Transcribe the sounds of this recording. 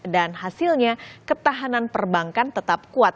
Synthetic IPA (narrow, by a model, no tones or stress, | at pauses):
danɦasilɲakət̪aɦananpərbaŋkant̪ət̪ap̚kuat̪̚